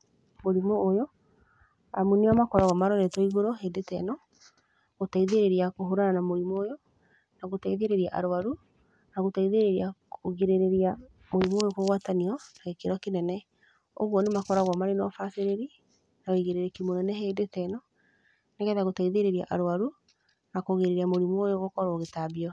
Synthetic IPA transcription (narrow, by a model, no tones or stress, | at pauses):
moɾimɔːjɔ | amuneamakɔɾaɣwamaɾɔɾɛtɔiɣoɾɔɦedetɛ̰nɔ | ɣotaiðeɾeɾiakoɦoɾananamoɾimɔːjɔ | naɣotaiðeɾeɾiaʔaɾoaɾu | naɣotaiðeɾeɾiakʰoɣeɾeɾeɾia | moɾimojokoɣwataniɔnaɣekeɾɔkenɛnɛ | o̰ɣwɔnemakɔɾaɣwamaɾenɔfaseɾeɾi | naɣoiɣeɾeɾekimonɛnɛɦedetɛnɔ | nekɛðaɣotaiðeɾeɾiaʔaɾoaɾu | nakoɣeɾeɾiamoɾimwojɔɣokɔɾɔɣetabiɔ